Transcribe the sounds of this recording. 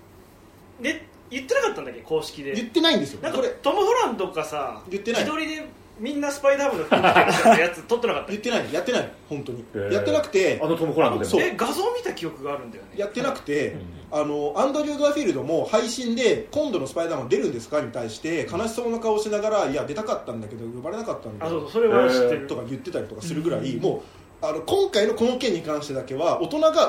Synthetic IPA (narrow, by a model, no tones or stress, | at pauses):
d̪e | jɯ̟t̪ːe̞nakat̪ːãnd̪akːeko̞ːɕi̥kʲid̪e̞jɯ̟t̪ːe̞naĩnd̪e̞sɨjonãkoɾet̪omɯ̟hoɾãnd̪o̞kasajɯ̟t̪ːe̞naid̪o̞ɾʲid̪e̞ | mʲĩnːasɨ̥paid̪amɯ̃nːoɸajat͡sɨt̪ːot̪ːenakat̪ːajɯ̟t̪ːe̞naijat̪ːe̞naihõ̞nt̪o̞ɲ̟ijat̪ːe̞nakɯ̟t̪e̞anot̪omɯhoɾanosoeɡazo̞ːmʲit̪akʲijo̞kɯ̟ɡaːɾɯ̟̃nd̪ajonejat̪ːe̞nakɯ̟̥t̪e̞ | ano̞ãnd̪o̞ɾʲɯːd̪aɸʲiɾɯ̟d̪omo̞haiɕĩnd̪e̞kõ̞nd̪o̞no̞sɨ̥paid̪ãd̪e̞ɾɯ̟̃nd̪e̞sɨ̥kaɲ̟it̪aiɕi̥t̪e̞kanaɕi̥so̞ːnakaoɕinaɡaɾaiad̪e̞t̪akat̪ːãnd̪ake̞d̪o̞jo̞baɾe̞nakat̪ːãnd̪sososoɾeaɕit̪et̪o̞kajɯ̟t̪ːe̞t̪aɾʲit̪o̞kasɨɾɯ̟ɡɯ̟ɾaimo̞ː | ano̞kõ̞ŋkaino̞ko̞no̞kẽ̞ɲ̟ːikãɰ̃ɕi̥t̪e̞d̪ake̞βao̞t̪o̞naɡa